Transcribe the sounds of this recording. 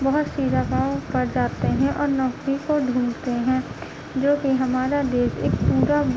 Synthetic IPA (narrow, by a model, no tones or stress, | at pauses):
bɐɦʊt̪siːɾapaːõpɐɾd͡ʒaːt̪eɦɛ̃ʔɔːɾnɔːkɾikoɖ̪ʱũːmt̪eɦɛ̃ː | d͡ʒoːkiɦɐmaːɾad̪eːsḛːkpuːɾa